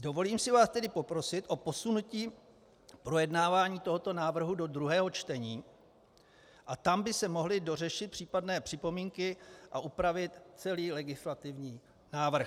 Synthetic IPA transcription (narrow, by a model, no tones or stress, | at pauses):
do̞vo̞liːmsɪvaːst̪ɛdɪpo̞pɾo̞sɪt̪ʔo̞po̞sunuciː | pɾo̞jɛdnaːvaːɲiːt̪o̞ɦo̞t̪o̞naːvr̩ɦudo̞d̪ɾuɦɛːɦo̞t͡ʃt̪ɛɲiː | ʔat̪ambɪsɛmo̞ɦlɪdo̞rɛʃɪt̪̚pr̝̥iːpadnɛːpr̥ɪpo̞miːŋkɪʔaʔupɾavɪt̪t͡sɛliːlɛɡɪslat̪ɪvɲiː | naːvr̩x